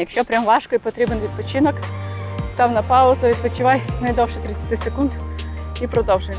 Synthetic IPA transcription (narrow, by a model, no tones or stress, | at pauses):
jɐkʃʲɔpɾʲamvaʂkɔipɐt̪ɾʲiɛbɨnvʲɪt̪̚pɐt͡ɕɪnəkst̪awnɐpaʊzɐvʲɪt̪pɐt͡ɕɪvajnɐjd̪olʂɨt̪ɾʲɪt̪sʲɐt̪ʲɪsɪkunt̪ipɾɐd̪ɔwʐɨj